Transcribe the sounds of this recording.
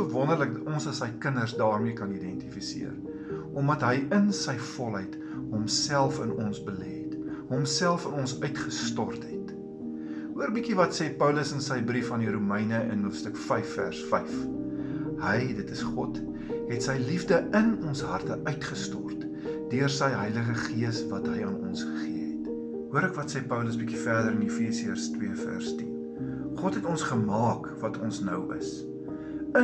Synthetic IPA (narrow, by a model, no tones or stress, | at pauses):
əvɔnərlək̚dɐtɔnsəsəjkənərsdɑːrmiəkɐnidɛntifisḭər | ʔɔmɐtɦəjənsəjfɔlˠɦəjt | ɦɔmsælˠfənɔnsbəlɛɦɛtɦɔmsælˠfənɔnsœɥtχəstɔrtɦɛt | ɦuərbikivɐtsɛpœwləsənsəjbɾifɐndiɾumɛjnəə̰nɦuəfstəkfɛjfːæ̰rsfɛjf | həjdətəsχɔt | ɦɛtsəjlifdəənɔnsɦɐrtəʔœɥtχəstɔrt | d̥øərsəjɦəjləχəχiəsvɐtɦəjɑːnɔnsχə̥χiəɦɛt | ɦuəɾækvɐtsɛpœwləsbikifæːrdəɾənifiəsiərstwiəfæ̰ːrstin | χɔtɦɛtɔnsχəmɑːk | vɐtʰɔnsnœwə̰s | ə